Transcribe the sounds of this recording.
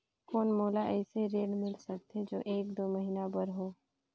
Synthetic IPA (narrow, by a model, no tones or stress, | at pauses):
koːnmoːlaʔɛːseɾeːɖmɪlsək̚t̪ʰed͡ʒo̰ːʔeːkd̪oːməɦiːnabəɾɦoː